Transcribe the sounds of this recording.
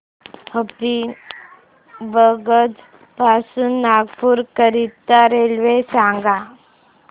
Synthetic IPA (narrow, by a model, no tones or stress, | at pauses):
həpi | bəɡəd͡z | pasuːnːaɡpuːɾkəɾit̪ːaɾelʋesãŋɡa